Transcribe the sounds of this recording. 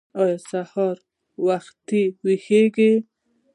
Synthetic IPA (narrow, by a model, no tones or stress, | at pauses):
ɑjɔsahɑɾ | waxt̪iwexeɡe